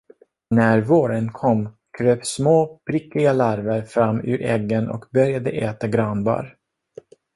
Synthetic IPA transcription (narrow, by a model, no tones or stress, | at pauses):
næɾvoːɾənkʰɔmː | kʰɾøːpsmoːpʰɾɪkːlɪɡalaɾvəɾfɾamːʉ̰ːɾʔɛɡːənʔɔ̰kbœɾjad̪əʔɛːt̪aɡɾɑnbɑ̰ːɾ